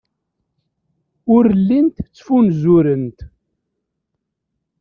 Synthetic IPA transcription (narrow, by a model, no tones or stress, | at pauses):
ʊɾəlːint̪t͡sːfunzʊɾənt̪